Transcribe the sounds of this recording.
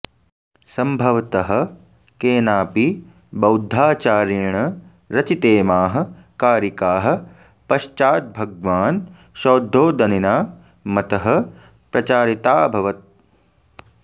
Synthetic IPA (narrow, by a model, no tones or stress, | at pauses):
sɐmbʱɐʋɐt̪ɐɦɐ̆ | keːnaːpi | bɐwd̪ʱːaːt͡ʃaːɾiːɳɐ | ɾɐt͡ʃit̪eːmaːɦɐ̆ | kaːɾikaːɦɐ̆ | pɐʃt͡ʃaːt̪̚bʱɐɡʋaːn | ʃoːd̪ʱːoːd̪ɐninaː | mɐt̪ɐɦɐ̆ | pɾɐt͡ʃaːɾit̪aːbʱɐʋɐt̪̚